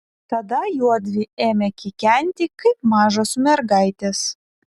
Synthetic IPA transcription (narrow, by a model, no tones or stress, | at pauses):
t̪ɐd̪ɐjuɔd̪ʲʋʲɪeːmʲɛkʲɪkʲɛnʲt̪ʲɪkɐɪpmɑːʒosmʲɛɾɡɐɪt̪ʲes